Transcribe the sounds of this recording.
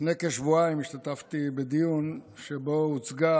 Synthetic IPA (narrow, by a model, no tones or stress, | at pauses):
nekeʃvuaimiʃt̪at̪aft̪ibed̪ijunʃebout͡sɡa